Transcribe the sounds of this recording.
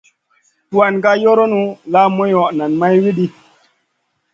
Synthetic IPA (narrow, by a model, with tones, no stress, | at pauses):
tu˨a˨nka˦jo˦ɾo˦nu˦la˦mo˦jɔ˨ʔna˨nma˦jwi˦ɗi˦